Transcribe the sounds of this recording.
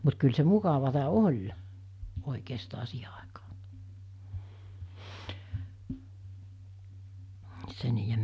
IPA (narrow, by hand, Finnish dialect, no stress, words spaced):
mut kyl se mukɑʋɑtɑ olʲ oˑikeːstɑ siːhe ɑˑekɑ̥ː se niːjem